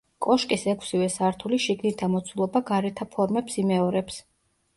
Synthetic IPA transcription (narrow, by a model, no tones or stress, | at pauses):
kʼɔʃkʼisɛkʷʰsivɛsaɾt̪ʰuliʃiɡnit̪ʰamɔt̪sʰulˠɔbaɡaɾɛt̪ʰapʰɔɾmɛpsimɛɔɾɛps